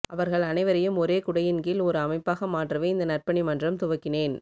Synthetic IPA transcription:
ʔɐʋɐɾɣɐɭɐnɐɪʋɐɾɐjɯmɔɾeːkʊɽɐjɪnɡiːlɔɾɯɐmɐɪpːaːɣɐmaːʈrɐʋeːɪnd̪ɐnɐrpɐɳimɐndrɐmt̪ʊʋɐkːɪneːn

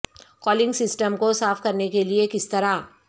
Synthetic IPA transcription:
kɔːlɪ̃ŋɡsɪsʈəmkosaːfkɐɾnekeliekɪst̪ɐɾa

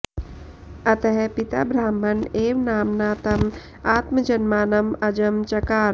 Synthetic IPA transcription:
ɐt̪ɐɦpɪt̪a̰bɾaːm̤ɐneːʋnaːmnaːt̪ɐm | aːt̪məd͡ʒɐnmaːnɐmɐd͡ʒɐmt͡ʃɐkaːɾ

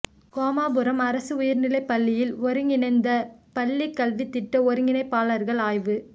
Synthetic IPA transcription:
koːmaːbɯɾɐmɐɾɐsɯʊjɐɾnɪlɐɪpːɐlːɪjɪlɔɾɯŋɡɪnɐɪnd̪ɐpɐlːikːɐlʋit̪ːɪʈːɐɔɾɯŋɡɪnɐɪpːaːlɐɾɣɐɭaːjʋɯ

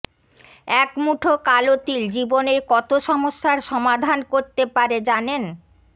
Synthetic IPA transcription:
ɛkmuʈʰokalot̪ild͡ʑiboneɾkɔt̪oʃɔmoʃːaɾʃɔmad̪ʱankoɾt̪epaɾed͡ʑanen

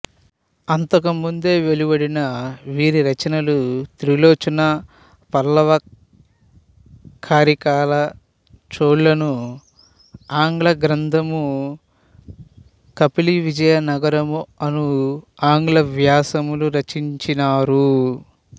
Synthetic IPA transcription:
ɐnt̪ɐkɐmund̪e̞ːʋe̞libɐɽinɐʋiːɾiɾɐt͡ʃɐnɐlut̪ɾiloːt͡ʃɐnɐ | pɐlːɐʋɐ | kʰaːɾikaːlɐ | t͡ʃoːɽlɐnu | aːŋɡɭɐɡɾɐnd̪ʱɐmu | kɐpiliʋid͡ʒɐjɐnɐɡɐɾɐmuɐnuaːŋɡlɐʋjaːsɐmuluɾɐt͡ʃːiɲt͡ʃinaːɾu

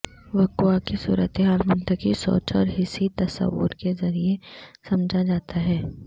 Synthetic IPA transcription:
ʋɐkuakesṵːɾət̪eɦaːlmɐnt̪əkisɔ̰ːt͡ʃɔ̰ːɾɦɪsit̪ɐsə̰ʋːʊ̰ɾkezɐɾiesɐmd͡ʒʱad͡ʒaːt̪ʰaɦɛː

